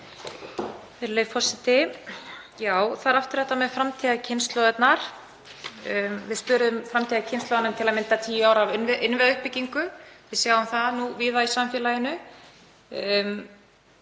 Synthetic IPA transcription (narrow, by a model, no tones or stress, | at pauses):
vɪɾleːɥvfɔr̥sɪt̪ɪ | jaːwθaɾaft̪ʏɾ̥ɛht̪ːamɛðfɾamt̪ʰiːɣacʰɪnst̪lɔðɛt̪naɾ̥ | vɪðspʏːɾʏðʏmfɾamt̪ʰiːɣacʰɪnst̪lɔwðanʏmt̪ʰɪlaðmɪnt̪at̪ʰiːjʏaːwɾavʏnvʔɪnvɛðaʏhpɪciŋkʏvɪðsjawɣʏmθaðnuviːðaisamfjɛːlajɪnʏ